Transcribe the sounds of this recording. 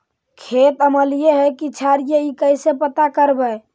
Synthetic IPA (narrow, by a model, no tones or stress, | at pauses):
kʰet̪əməlijeɦɛkit͡ʃʰaɾjeikəjsepət̪akəɾbɛ